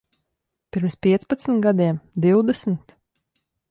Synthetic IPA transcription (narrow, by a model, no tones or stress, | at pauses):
pʲiɾmspʲiɛt̪spat̪sm̩t̪ɡad̪iɛmd̪iwd̪ɛsm̩t̪